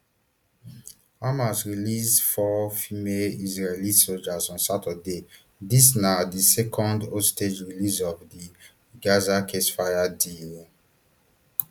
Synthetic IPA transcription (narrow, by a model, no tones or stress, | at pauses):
amasɹilisdfɔfimelizɹelisold͡ʒazɔ̃nsatade | disnadisɛkʰɔ̃ndosted͡ʒɹilisɔvdi | ɡazakʰesfajadil